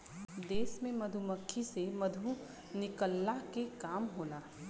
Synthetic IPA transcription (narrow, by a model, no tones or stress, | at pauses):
d̪eːsmẽmɐd̪ʱuməkʰːisemɐd̪ʱu | nɪkəlːakekaːmɦoːnaː